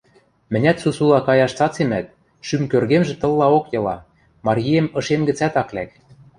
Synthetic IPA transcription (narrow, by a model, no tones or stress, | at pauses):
mɘ̆nʲæt̪susulɑkɑjɑʃt͡sɑt͡semæt̪̚ | ʃymkørɣemʒĕt̪ɤ̆lˠːɑokjɤ̆lɑ̰ | mɑɾʲijemɤ̆ʃemɡɘ̆t͡sæt̪ɑklæk̚